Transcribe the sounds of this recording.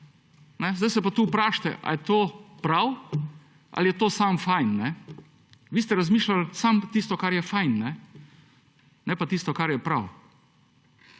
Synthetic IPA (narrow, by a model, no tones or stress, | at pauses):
nɛzd̪ajsɛpat̪uːpɾaːʃt̪ɛ̰ʔa̰jɛt̪oːpɾaw | ʔa̰ljɛt̪oːsamfajnːɛ | ʋiːst̪ɛɾazmiːʃlalsamt̪iːst̪ɔkaɾjɛfajnːɛ | nɛpat̪iːst̪ɔkaɾjɛpɾaw